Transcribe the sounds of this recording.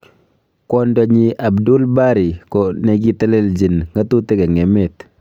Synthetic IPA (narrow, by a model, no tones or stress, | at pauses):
kɔndɔɲiʔabdulbaɾikɔneɡitɛleld͡ʒinŋɡatuteɡaŋɛmɛt